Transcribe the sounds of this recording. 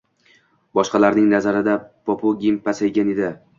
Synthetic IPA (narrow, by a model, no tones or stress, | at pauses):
bɒʃqɑlaɾnɪŋnazaɾɪd̪apopʰoɡʲimpasajɡʲaned̪ɪ